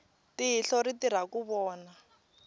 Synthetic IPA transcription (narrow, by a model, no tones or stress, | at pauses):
tiiɬɔritiɾ̤akuβɔːna